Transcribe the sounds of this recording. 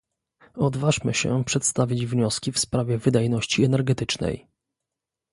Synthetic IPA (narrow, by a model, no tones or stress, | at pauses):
ɔd̪vaʐmɘɕɛ̰pʂɛt̪st̪avʲid͡ʑvɲɔskʲifspɾavʲɛvɘd̪ajnɔɕt͡ɕiɛnɛɾɡɛt̪ɘt͡ʂnɛ̰j